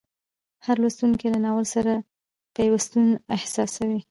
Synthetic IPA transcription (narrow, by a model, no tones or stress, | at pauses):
haɾlast̪uŋkilanɑwəlsaɾa | pəjawast̪unɪhsɑsawi